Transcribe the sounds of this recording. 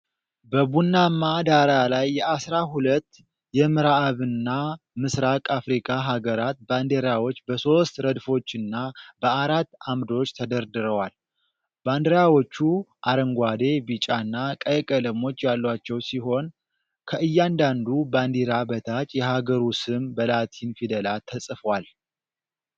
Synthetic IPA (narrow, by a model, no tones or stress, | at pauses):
bəbunːamːad̪aɾalajːɛasɾaɦulət̪ː | jɛmɨɾaβɨnːa | mɨsɾakʼafɾikʼaɦaɡəɾat̪̚band̪eɾawot͡ʃːbəso̞st̪ɾəd̪fo̞t͡ʃːɨnːabəaɾat̪ːamd̪o̞t͡ʃːt̪ʰəd̪əɾd̪ɨɾəwal | band̪əɾjawot͡ʃːuʔaɾəŋɡʷad̪e̞bɨt͡ʃʼanːakʼəjkʼələmo̞t͡ʃːjalːwat͡ʃːɛwsiɦo̞n | kʰəɨjːand̪and̪uband̪eɾabət̪ʰat͡ʃʼjɛɦaɡəɾusɨmbəlat̪ʰinfid̪əlat̪ʰːəsʼfwal